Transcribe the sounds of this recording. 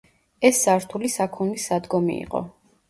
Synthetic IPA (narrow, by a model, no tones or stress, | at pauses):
ɛsːaɾt̪ʰulisakʰunisːad̪ɡɔmḭḭqʼɔ̰